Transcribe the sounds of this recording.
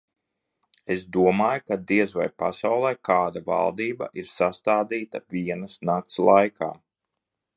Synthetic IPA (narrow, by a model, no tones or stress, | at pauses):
esd̪uɔmaːjkad̪iɛzva̰jpasawlˠɛjkaːd̪ava̰lˠd̪iːba̰ʔiɾsast̪aːd̪iːt̪avʲiɛnasnak̚t̪slˠajka̰ː